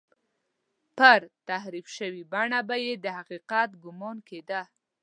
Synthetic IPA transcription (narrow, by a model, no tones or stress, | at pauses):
pəɾt̪ahɾifʃəwibaɳabajed̪əhaqiqat̪ɡʊmɑnked̪a